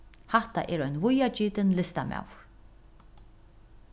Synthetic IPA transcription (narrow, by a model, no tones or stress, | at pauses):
haht̪aʔɛːɾɔjnvʊjat͡ʃiːt̪ɪnlɪst̪ama̰w